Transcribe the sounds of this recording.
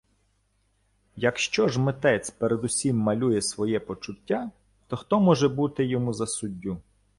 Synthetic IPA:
jɐkʃt͡ʃɔʒmet̪ɛt͡sʲpeɾed̪ʊsʲimːɐlʲujɛsʋɔjɛpɔt͡ʃʊtʲːa | t̪ɔxt̪ɔmɔʒɛbut̪ɪjɔmuzɐsʊdʲːu

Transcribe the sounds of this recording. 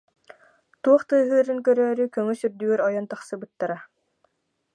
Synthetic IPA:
t̪uɔχt̪ɯːɦɯːɾɯŋkœɾœːɾykœŋysyɾd̪yɛɾɔjɔnt̪aχsɯbɯt̪ːaɾa

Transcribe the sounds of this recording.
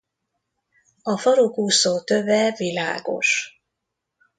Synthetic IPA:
ɒfɒɾukuːsoːt̪ø̞vɛvila̰ːɡo̞̰ʃ

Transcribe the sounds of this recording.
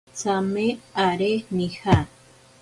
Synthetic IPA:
t͡sameaɾenixa

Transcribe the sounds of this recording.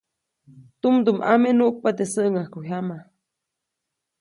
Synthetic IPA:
t̪umd̪umʔa̰menuʔk̚pat̪esəʔŋahkuɦama

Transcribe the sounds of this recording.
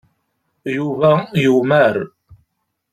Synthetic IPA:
juvæjumæɾ

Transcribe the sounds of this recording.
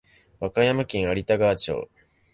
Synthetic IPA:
βakajamakʲĩɰ̃aɾʲit̪aɡaːt͡ɕo̰ː

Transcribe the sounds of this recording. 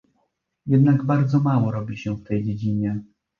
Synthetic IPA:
jɛd̪naɡbaɾd̪zɔmawɔɾɔbʲiɕɛft̪ɛjd͡ʑed͡ʑiɲɛ

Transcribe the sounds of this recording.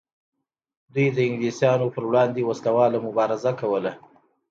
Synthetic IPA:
d̪ujd̪əɪŋɡlisjɑnopəɾwɽɑnd̪ewaslawɑlamʊbɑɾɪzakawəla

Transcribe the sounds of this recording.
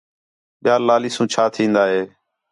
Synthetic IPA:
ɓɪjaːlaːliːsũːt͡ʃʰaːt̪ʰĩːnd̪aːɦeː

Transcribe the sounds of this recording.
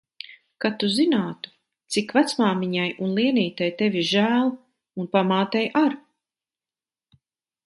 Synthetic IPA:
kat̪uzinaːt̪u̥ | t̪sikvat̪smaːmiɲajunlˠiɛniːt̪ajt̪evʲiʒæːlˠ | unpamaːt̪ɛjʔaɾ

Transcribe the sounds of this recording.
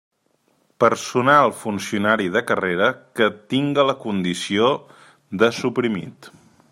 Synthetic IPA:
pəɾsunalˠfunsiunaɾiðəkəreɾəkət̪iŋɡələkund̪isio | ðəsupɾimḭt̪

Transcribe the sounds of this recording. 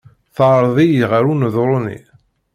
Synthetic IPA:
θɑɾˤðˤijʁaɾunəðɾˤonḭ

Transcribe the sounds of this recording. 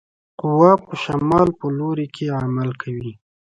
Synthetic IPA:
qʊwɑpəʃamɑlpəloɾekʰeamalkʰawi

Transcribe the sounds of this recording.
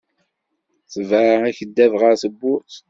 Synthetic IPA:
θəvəæçəd̪ːævʁəɾθəbːʊɾs

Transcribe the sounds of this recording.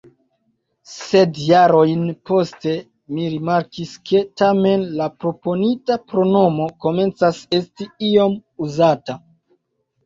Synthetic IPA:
se̞djaɾo̞jnpo̞ste̞ | miɾimaɾkiske̞tame̞nlapɾo̞po̞nitapɾo̞no̞mo̞ko̞me̞nt͡sase̞stiio̞muzata

